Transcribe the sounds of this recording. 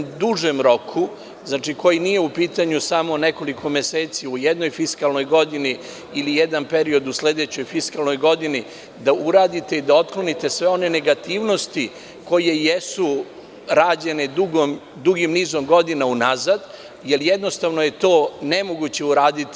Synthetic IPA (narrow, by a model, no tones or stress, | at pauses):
d̪uʒemɾo̞kʰu | znaːt͡ʂiko̞jinije̞upiːt̪aɲusamo̞ne̞ko̞likʰo̞meseːt̪siujed̪no̞jfiskalˠno̞jɡo̞d̪iniː | lijed̪anpe̞ɾio̞d̪usle̞d̪et͡ɕo̞jfiskalˠno̞jɡo̞d̪ini | d̪auɾaːd̪it̪e̞id̪ao̞t̪klo̞nit̪e̞sʋeo̞ne̞ne̞ɡat̪iːʋno̞st̪i | ko̞je̞jesu | ɾaːd͡ʑe̞ned̪uɡom | d̪uɡimniːzomɡo̞d̪inaunazad̪ | je̞ljed̪no̞st̪aʋno̞je̞t̪o̞ːne̞mo̞ɡut͡ɕe̞uɾaːd̪it̪